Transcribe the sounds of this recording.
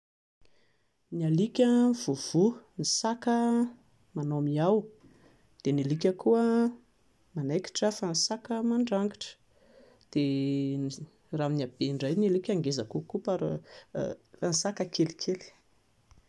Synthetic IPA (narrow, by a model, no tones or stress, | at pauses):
nialikʲəv̥uv̥unisakə | manomiaw | d̪̥enilikʲəkuə | manajki̥ʈ͡ʂafanisakəmaɳɖ͡ʐaŋɡiʈ͡ʂə̥ | d̪̥e | raːminab̥eiɳɖ͡ʐajnalikʲaŋɡezakukupaɾ̰ | anisakəkʰelikʰeli̥